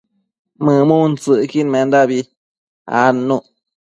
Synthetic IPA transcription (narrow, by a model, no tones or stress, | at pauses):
mɨ̃mũnt͡sɨkinmend̪abi | a̰nũʔ